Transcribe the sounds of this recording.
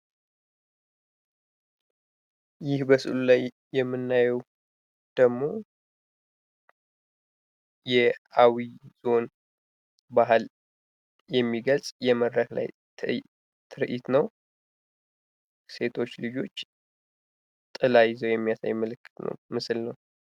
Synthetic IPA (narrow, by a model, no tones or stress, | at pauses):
jɪhbəsɨ̰lulajː | ɛmːɨnːajɛw | d̪̥əɡmo̞ | jɛawiz̥o̞n | baɦɨl | jɛmːiɡəlsʼjɛməd̪ɾəkla̰j̪ʰ | t̪ʰɨɾʔit̪nəw | se̞t̪ʰo̞t͡ʃːlɨd͡ʒo̞t͡ʃː | t̪ʼɨlajzəwjɛmːijasa̰jːɛməlɨkːɨ̥t̪nə̰wmɨsɨlnəw